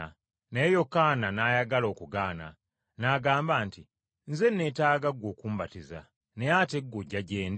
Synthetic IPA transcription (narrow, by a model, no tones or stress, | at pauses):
nejokananaːjaɡalo̞ːkuɡaːna̰ | naːɡaːmbaːnti | nze̞nːe̞taːɡaɡwoːkuːmbatiza̰ | nejateɡːoɟːaɟeːnd